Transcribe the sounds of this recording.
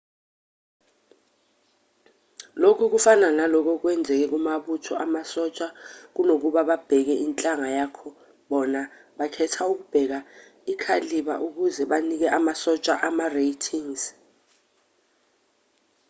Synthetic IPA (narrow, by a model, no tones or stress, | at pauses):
lokʰuk̬ufananalɔk̬ɔk̬wɛnd͡zʱɛk̬ɛk̬umaɓutʰɔʔamasɔt͡ʃʼak̬unok̬uɓaɓab̥ʱɛk̬ɛʔint͡ɬʼaŋajaːkʰɔ | ɓɔna | ɓakʰɛtʰauk̬ub̥ʱɛk̬a | ikʰaliɓa̰ʔuk̬uzɛɓanik̬ɛʔamasɔt͡ʃʼaʔamarejtʰiŋz̥